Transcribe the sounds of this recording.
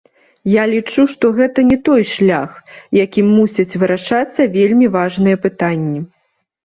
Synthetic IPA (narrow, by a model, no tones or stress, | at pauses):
jalʲit͡ʂuʂt̪ɔɣɛt̪ɐnʲɛt̪ɔjʂlʲaxjakʲimːusʲɐt͡sʲvɨɾaʂat̪sːɐvʲelʲmʲivaʐnɨjɐpɨt̪anʲːi